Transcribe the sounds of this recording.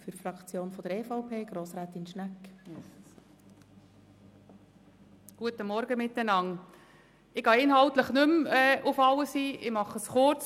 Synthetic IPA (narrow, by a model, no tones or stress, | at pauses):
fyfɾɑkt͡sjoːnfɔd̥̪əɾɛfaʊpʰeːɡ̥ɾoːsɾæːt̪inʃnækː | ɡ̥uətəmɔɾɡəmɪt̪ːənɑŋ | ɪɡ̥ɑːɪnɦɑlt̪ləχnʏmɛːʊfɑləsiːʔɪmɑχəsχʊɾt͡s